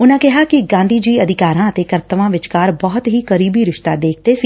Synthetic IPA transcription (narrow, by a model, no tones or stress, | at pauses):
ʊnãkɛɦakiɡãːnd̪ʱiːd͡ʒiːəd̪ʱɪkaːɾãt̪ekɐɾt̪əʋãːʋɪt͡ʃkaːɾbɔɦʊt̪ɦiːkəɾiːbiɾɪʃt̪ad̪eːk̚ʰt̪esiː